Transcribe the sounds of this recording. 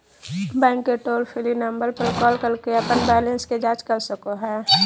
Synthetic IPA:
bɛ̃ːŋkːeʈoːɾpʰɪlinəmbəɾpəɾkɔːlkəɾkeɐpənbɛːlə̃nsked͡ʒaːd͡ʒkəɾsəkoɦɛ̃ː

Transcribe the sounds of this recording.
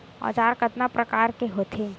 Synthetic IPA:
ɔ̰ːt͡ʃaːɾkət̪napɾɐkaːɾkeɦoːt̪ʰe

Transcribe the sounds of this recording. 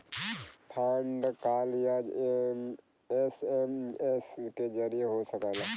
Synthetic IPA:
ʈʰəɳɖkaːljad͡ʒm | esemesked͡ʒəɾijeɦosəkaːlaː

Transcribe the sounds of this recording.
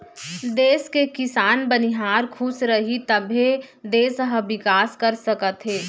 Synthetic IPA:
d̪eːskekɪsaːnbəniɦaːɾkʰʊsɾɐɦit̪ɐbʱe | d̪eːsəɦəʋɪkaːskɐɾsɐkət̪ɦeː

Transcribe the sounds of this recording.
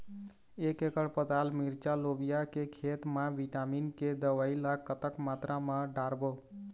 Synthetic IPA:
ekekəɽpət̪almiɾt͡ʃalobijakekʰet̪maʋiʈaminked̪əʋailaɡkːət̪əkmat̪ɾʔamaɖaɾbo

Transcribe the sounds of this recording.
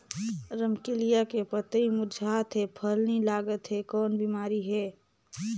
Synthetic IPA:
ɾəmkɪlijakepət̪əimʊd͡ʒʱaːt̪ɦɛpʰəlnilaːɡət̪ɦɛkɔːnbimaːɾiɦɛː

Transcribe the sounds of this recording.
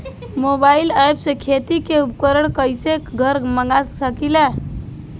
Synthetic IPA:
mobailajbsẽkʰet̪ikeupkəɾəɽ̃kəjsekɡʱəɾməŋɡassəkile

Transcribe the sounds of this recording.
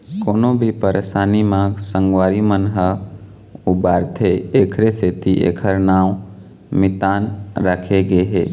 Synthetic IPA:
koːnõbʱipəɾesaːnimãɡsə̃ŋɡwaːɾimənɦə | ubaːɾt̪ʰeeːkʰɾeset̪iʔḛkʰəɾnaːʊ̃ | mɪt̪aːnɾəkʰeɡeɦḛː

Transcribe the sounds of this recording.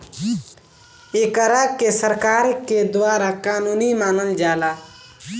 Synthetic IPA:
ekəɾakesəɾkaːɾked̪waːɾakaːnuːnimaːnəld͡ʒaːlaː

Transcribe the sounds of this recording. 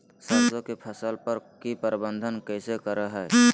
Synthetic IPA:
səzõkepʰəsəlpəɾkipəɾbə̃nd̪ʱənkɛɪsekəɾəɦɛ

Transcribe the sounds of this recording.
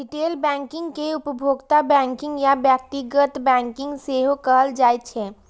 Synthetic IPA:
ɖɪʈeːlbɛ̃ːŋkɪ̃ŋɡkeʊpəbʱoːɡt̪abɛ̃ːŋkɪ̃ŋɡjabjaːk̚ʈiɡət̪bɛ̃ːŋkɪ̃ŋɡseːɦokəɦəld͡ʒaːjt̪t͡ʃʰɛː

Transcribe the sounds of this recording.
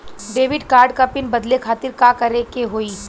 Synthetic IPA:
ɖeːʋɪɖkaːɾɖkapɪnbɐd̪lekʰaːt̪ɪɾkaːkɐɾekeɦoːiː

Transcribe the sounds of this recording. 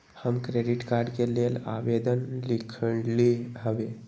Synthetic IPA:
həmkɾeɖiʈkaɾɖkelela̰ʋed̪ənlikʰəɽliɦəʋe

